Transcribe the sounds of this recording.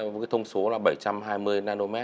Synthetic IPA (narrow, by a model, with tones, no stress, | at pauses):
jt̪ʰə˧wŋ͡mso˨˦laː˨˩ɓə˧˩jt͡ɕa˧mɦaː˧jmɨ˧əjnaː˧no˧mɛ˦˥